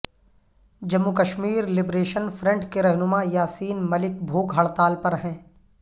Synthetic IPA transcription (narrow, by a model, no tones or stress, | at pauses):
d͡ʒɐmːukəʃmiːɾlɪbɾeːʃənfʰɾɛ̃ɳʈkeɾɛɦnʊmajaːsiːnmɐlɪkbʱoːɡɦɐɭt̪aːlpɐɾɦɛ̃ː